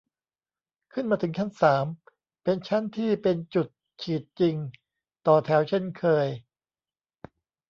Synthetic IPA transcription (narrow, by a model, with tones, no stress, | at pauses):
kʰɯ˥˩nmaː˧t̪ʰɯ˩˦ŋt͡ɕʰa˦˥nsaː˩˦m | pe˧nt͡ɕʰa˦˥nt̪ʰiː˥˩pe˧nt͡ɕu˨˩t̪̚ | t͡ɕʰiː˨˩t̪̚t͡ɕi˧ŋ | t̪ɔː˨˩t̪ʰɛː˩˦˥wt͡ɕʰe˥˩nkʰɤː˧j